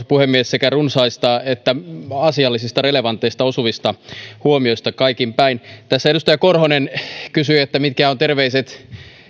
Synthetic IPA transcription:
puhemːiessekærunsɑist̪ɑet̪ːæɑsiɑlːisist̪ɑreleʋɑnt̪ˑːeist̪ɑosuʋist̪ɑhuomioist̪ɑkɑikimpæint̪æsːæedust̪ɑjɑkorhonenkysyet̪ːæmit̪̚kæot̪erʋeiset̪

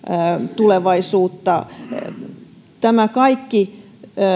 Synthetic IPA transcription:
t̪uleʋɑisuːt̪ːɑ | t̪æmækɑikːi

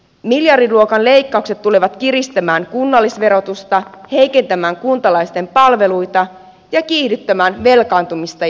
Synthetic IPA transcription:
miljɑrdiluo̞kɑnle̞jkːɑukse̞t̪ːule̞ʋɑt̪kiɾist̪æmæːŋkunːɑlːisʋe̞ɾo̞t̪ust̪ɑhe̞jke̞nt̪æmæːŋkunt̪ɑlɑjst̪e̞mpɑlʋe̞lujt̪ɑ | jɑkiːhdyt̪ːæmæːnʋe̞lkɑːnt̪umist̪ɑ

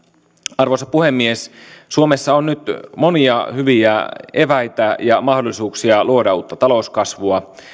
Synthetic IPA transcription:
ɑrʋosɑpuhe̞mːiessuome̞sːɑonnyt̪mo̞niɑhyʋiæe̞ʋæjt̪æjɑmɑhdolːˑisuːksiɑluodɑuːt̪ːɑt̪ɑlo̞uskɑsʋuɑ

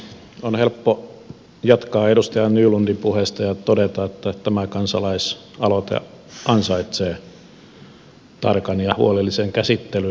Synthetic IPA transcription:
onhelpːo | jɑt̪kɑːedust̪ejɑnnyːlundipuhest̪ɑjɑt̪odet̪ɑet̪ːæt̪æmækɑnsɑlɑis | ɑlot̪ḛ | ɑnsɑit̪seː | t̪ɑ̰rkɑnjɑhuolelːiseŋkæsit̪ːely

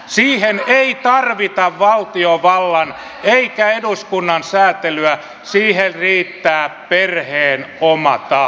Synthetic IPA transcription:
siːheneit̪ɑrʋit̪ɑʋʋɑlt̪ioʋɑlːɑn | eikæeduskunːɑnsæːt̪elyæ | siːherriːt̪ːæːpperheːnomɑt̪ɑ

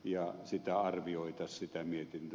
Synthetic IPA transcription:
jɑsit̪æɑrʋioˑet̪ɑssit̪æmiet̪int̪

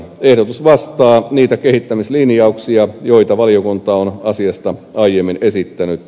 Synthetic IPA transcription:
ehdot̪usʋɑst̪ɑːniːt̪ækehit̪ːæmislinjɑuksiɑjoit̪ɑʋɑliokunt̪ɑonɑsiɑst̪ɑɑijemːinesit̪ːænyt̪

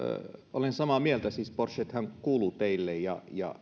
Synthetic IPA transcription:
olensɑmɑmielt̪æsiːsporset̪hæŋkuːlut̪eilːejjɑjɑ̰

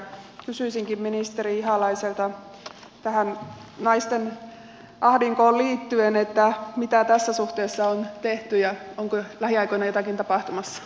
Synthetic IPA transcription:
kysyisiŋkimminist̪eɾiiɦɑlɑiselt̪ɑ | t̪æhænnɑist̪en | ʔɑhdiŋkoːliːt̪ːyenet̪ːæmit̪æt̪æsːæsuht̪eːsːɑont̪eht̪yjɑoŋkolæhiɑjkoinɑjot̪ɑkint̪ɑpɑht̪umɑsːɑ̥

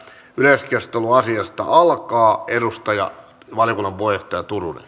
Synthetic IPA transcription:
yleskest̪eluɑsiɑst̪ɑ̰ʔɑlkɑːedust̪ɑjɑ̰ | ʋɑljokunːɑʋʋoiht̪ɑjɑt̪urunḛn

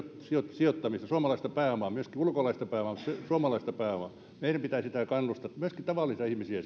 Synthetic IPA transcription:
t̪siot̪siot̪ːɑmist̪ɑsuomɑlɑist̪ɑpæːomɑmyøskiulkolɑist̪ɑpæˑːomɑːˑmut̪sesuomɑlɑist̪ɑpæːomɑ̰ | meiɾæmpit̪æˑsit̪æˑkɑnːust̪ɑmyøskit̪ɑʋɑˑlːˑist̪ɑihmisiæ

